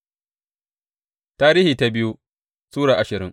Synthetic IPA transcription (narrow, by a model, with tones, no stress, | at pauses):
taː˦ɾiː˦hiː˨ta˦bɪ˦ju˦ | suː˦ɽaː˨ʔa˨ʃɪ˨ɾɪ˦ŋ